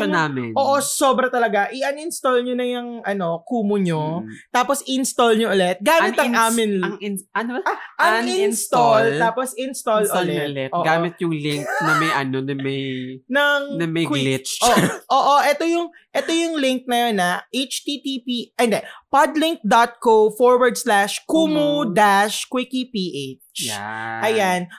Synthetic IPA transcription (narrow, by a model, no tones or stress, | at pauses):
onaːmɪnʔoːʔo̞soːbɾɐt̪ɐlɐɡaʔɪʔɐnɪnst̪olɲonɐjɐŋʔɐno̞kuːmʊɲot̪aːposɪɪnst̪olɲoʔʊlɛt̪̚ɡaːmɪt̪ɐŋʔaːmɪnɐŋɪɐnɐʔɐŋɪɪnst̪olt̪aːposɪnst̪olʔolɛlɛt̪ʔoɡaːmɪt̪̚jʊŋlɪŋknɐmɐjʔɐnonɐmɐjnɐŋnɐmɐjkwlɪt͡ʃoːʔoːʔoʔɛt̪o̞jʊŋ | ʔɛt̪o̞jʊŋlɪŋk̚nɐjonːɐʔet͡ʃt̪it̪ipiʔɛnd̪ɛpad̪lɪŋk̚d̪ɔt̪̚kofoɹwɐɹd̪̚slaʃkuːmud̪aʃkwɪkipiʔet͡ʃʔɐjan